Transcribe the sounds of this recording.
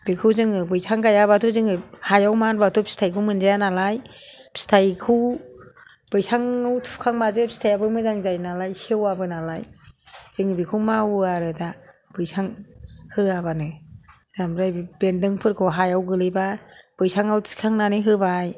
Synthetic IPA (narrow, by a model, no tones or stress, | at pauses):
b̥ikʰɯwzɯŋɯbɯjsʰaŋɡajabatʰuzɯŋɯhajawmanbatʰupʰi̥stʰajkʰɯwmɯnzajanalaj | pʰi̥stʰajkʰɯw | bɯjsʰaŋɯwtʰupkʰaŋmazepʰistʰajabɯmɯzaŋzajnalajsiawabɯnalajz̥ɯŋɯbikʰɯwmawaɾɯda | b̥ɯjsʰaŋhɯabanɯzamɾajbendɯŋpʰɯɾkʰɔɦajawɡɯlɯbab̥ɯjsʰaŋawtʰi̥kʰaŋnanɯɦɯbaj